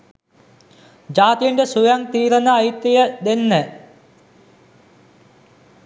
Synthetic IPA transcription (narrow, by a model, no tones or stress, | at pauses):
d͡ʑaːt̪ijəɳɖəsujaŋt̪iːɾənəːjit̪ːijəd̪enːə